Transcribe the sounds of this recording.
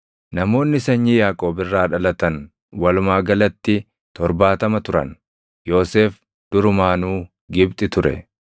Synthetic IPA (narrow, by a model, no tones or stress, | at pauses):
nɐmo̞ːnːɪsɐɲːijaːkʼo̞ːbɪrːaːᶑɐlɐt̪ɐn | wɐlʊmaːɡɐlɐt̪ːɪ | t̪ɔɾbaːt̪ɐmɐt̪ʊɾɐ̰n | jo̞ːse̞ːf | d̪̥ʊɾʊmaːnuː | ɡɪbt̪ʼɪt̪ʊɾɛ̰